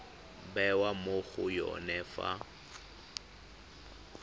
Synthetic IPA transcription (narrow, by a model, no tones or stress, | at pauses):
bɛwamoɣʊjɔ̰nɛfa̰